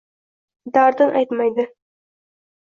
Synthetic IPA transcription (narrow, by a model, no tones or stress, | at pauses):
d̪ɑɾd̪ɤɴʔɑ̰jt̪mɑjd̪ə